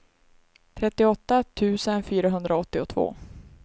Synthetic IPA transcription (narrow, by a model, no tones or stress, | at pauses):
t̪ʰɾɛt̪ːɪɔt̪ːat̪ʰʉ̟ːsənfyːɾaɦɵnd̪ɾaɔt̪ːɪɔt̪ʰvo̰ː